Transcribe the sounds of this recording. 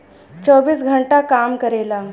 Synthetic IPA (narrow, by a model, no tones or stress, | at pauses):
t͡ɕəbiːsɡʱəɳʈakamkəɾela